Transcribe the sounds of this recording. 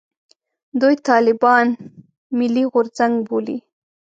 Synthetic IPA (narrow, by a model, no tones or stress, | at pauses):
d̪ujt̪ɑlɪbɑn | mɪliɣʊɾzaŋɡbolḭ